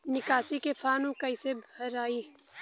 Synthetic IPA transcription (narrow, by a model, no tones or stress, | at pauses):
nɪkaːsikepʰaːnũkɐɪsebʱɐɾaːi